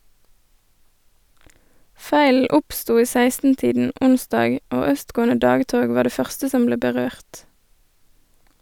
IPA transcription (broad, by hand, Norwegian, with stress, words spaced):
ˈfæɪl̩ ˈʊpˌstuː ˈiː ˈsæɪstn̩ˌtiːdn̩ ˈʔʊnˌsdɑːɡ ˈoː ˈœstˌɡoːənə ˈdɑːɡˌtoːɡ ˈʋɑː ˈɖeː ˈfœʁstə ˈsɔm ˈbleː bəˈʁøːʁt